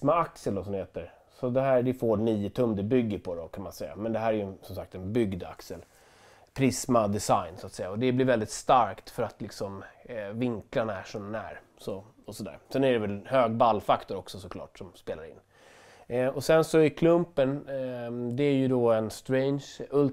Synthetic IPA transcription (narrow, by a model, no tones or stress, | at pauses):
maaksəld̪ɔsɔmd̪ɪheːt̪əɾ | sɔd̪ɛɦæːɾɖ̪ɛfoːɳiːət̪ʰɵmːd̪ɪbʏɡːəɾpʰɔd̪ɔkʰanmansɛjːa̰mɛnd̪ɛɦæːɾæɾjɵsɔmsak̚t̪ɛnbʏɡd̪a̰ksəl | pʰɾɪsmad̪ɛsajnsʊat̪sɛjːaɔd̪ɛblɪɾvɛld̪ɪt̪st̪aɾkt̪fœɾat̪lɪksɔmvɪŋklaɳaæʂɔnæ̰ːɾ | sɔ | ɔsɔd̪æ̰ːɾsɛnæɖɛvɛlhøːɡbalːfakt̪ɔɾɔksɔsɔklɑ̰ːʈsɔmspeːlaɾɪ̰nː | ɔsɛnsɔɪkʰlɵmpən | d̪ɛæɾjɵd̪ɔɛnst̪ɾɛɪnʂɵl